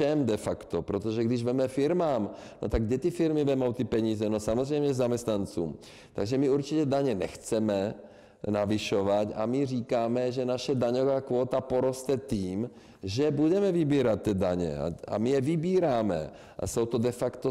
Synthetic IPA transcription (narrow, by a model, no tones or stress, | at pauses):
ʃɛmd̪ɛfakt̪opɾot̪oʒɛɡdɪʒvɛmɛfɪɾmaːm | no̰t̪aɡ̚dɛt̪ifɪɾmivɛmowt̪ipɛɲiːzɛnosamozrɛjmɲɛzamɛst̪nant͡suːm | t̪a̰ɡʒɛmiuɾt͡ʃicɛdaɲɛnɛ̰xt͡sɛmɛ | naviʃovaca̰miriːkaːmɛʒɛnaʃɛdaɲovaːkʋoːt̪apoɾost̪ɛt̪iːm | ʒɛbudɛmɛvibiːɾat̪̚tːɛdaɲɛ̰a̰a̰mijɛvibiːɾaːmɛ̰ | ʔa̰sowt̪odɛfakt̪o